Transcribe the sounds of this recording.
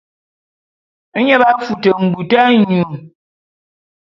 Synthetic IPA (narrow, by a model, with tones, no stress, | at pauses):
ə˦ɲɛ˦ba˦fu˨tə˨ŋ̩˨ɡ͡bu˨ta˦ɲu˨ŋ